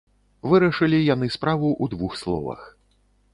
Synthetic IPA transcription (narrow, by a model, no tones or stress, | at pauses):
vɨɾɐʂɨlʲijan̪ɨspɾavuʔud̪vuxslˠɔ̰vɐ̰x